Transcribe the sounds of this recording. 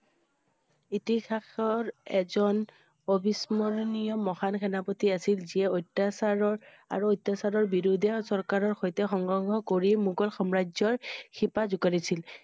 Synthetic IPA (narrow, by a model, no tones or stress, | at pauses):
itixaxɔɹɛzɔn | obismɔɹɔnijɔmɔxankʰɛnapotiasilziɛotːasaɹɔ | a̰ɹuojtːasaɹɔɹbiɹudɛsɔɹkaɹɔɹxɔjtɛxɔŋɡɹɔŋɡʱɔkoɹimuɡɔlxɔmɹad͡ʒzɔɹxʰipazukaɹisil